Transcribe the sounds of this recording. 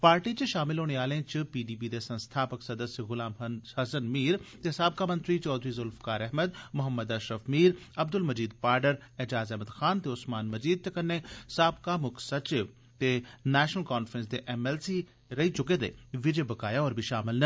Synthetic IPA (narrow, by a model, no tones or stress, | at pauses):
paːɾʈit͡ʃʃaːmɪlɦoːɽeaːlẽt͡ʃəpiːɖiːpid̪esə̃nst̪ʰaːpəksɐd̪əsjəɣʊlaːmhɐsənmiːɾt̪esaːb̚kaːmə̃nt̪ɾit͡ʃɔːd̪ɾizʊlfkaːɾɛɦməd̪mʊɦəmːəd̪aʃɾəfmiːɾ | ɐbd̪ʊlməd͡ʒiːd̪paːɾɖəɾɛd͡ʒaːzɛɦməd̪xaːnt̪eʊsmaːnməd͡ʒiːd̪̚t̪ekɐnːesaːbkamʊkʰsɐt͡ʃɪʋ | t̪enɛːʃnəlkaːnfɾə̃ns̬d̪eʔɛmɛːlsi | ɾɐɦit͡ʃʊked̪ḛʋɪd͡ʒebɐkaːjaɔːɾbʱiʃaːmɪlnɐ